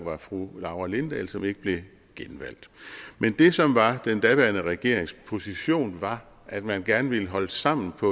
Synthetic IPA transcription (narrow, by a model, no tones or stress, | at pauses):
ŋʋɑ̈fʁulɑ̈ʊɐle̝nd̥ɛ̰lsɒ̽me̝ɡ̥əb̥le̝ | ɡ̥enʋæl̰d̥mend̥e̝sɒ̽mʋɑ̈d̥end̥æʋæɐnəʁɛɡ̥e̝ɐ̰eŋspʰo̝siɕo̝̰ːnʋɑ̈ | ʔæd̥mænɡ̥æɐnəʋiləɦɒ̽ləsɑ̈m̰n̩pʰɒ̽